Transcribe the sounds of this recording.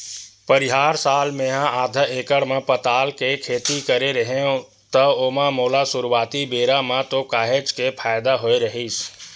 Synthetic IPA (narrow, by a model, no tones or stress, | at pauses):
pəɾɪɦaːɾsaːlmẽɦãaːd̪ʱəeːkəɽmẽpət̪aːlkekʰeːt̪ikəɾeɾəɦeõ | t̪əoːmãmoːlasʊɾuwaːt̪ibeːɾamãt̪okaːɦed͡ʒkepʰaːjɪd̪aɦoeɾəɦiːs